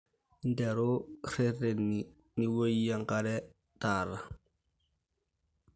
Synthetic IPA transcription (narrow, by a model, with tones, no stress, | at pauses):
ndɛ˨ɾo˦se˦rːe˨nːi | ni˦wo˦ji˦ja˦ŋkaɾɛ˦ | ta˨ɾa˨